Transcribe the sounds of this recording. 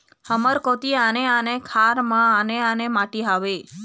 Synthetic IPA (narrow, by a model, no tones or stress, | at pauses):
həməɾkot̪ianeanekʰaɾmãːneanemaʈiɦaʋe